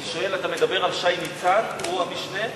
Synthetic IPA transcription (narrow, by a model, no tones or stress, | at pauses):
iʃoelat̪amed̪abe̞ʁalʃajmit͡sanuamiʃne